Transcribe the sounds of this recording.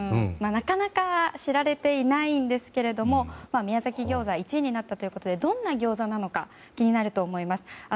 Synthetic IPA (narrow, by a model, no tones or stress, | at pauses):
ɯ̃manakanakaɕiɾaɾe̞t̪e̞inaĩnd̪e̞sɨ̥ke̞ɾe̞d̪o̞mo̞mamʲijazakʲiɡʲo̞ːzait͡ɕiːɲ̟inat̪ːat̪o̞jɯ̟ko̞t̪o̞d̪e̞d̪õ̞nːaɡʲo̞ːzanano̞ka | kʲiɲ̟inaɾɯ̟t̪o̞ːmo̞imasɨ̥a